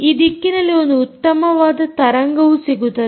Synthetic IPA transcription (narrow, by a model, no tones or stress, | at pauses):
id̪ikːinɐleond̪uut̪ːɐmɐʋaːd̪ɐt̪ɐɾɐŋɡɐʋusiɡut̪ːɐ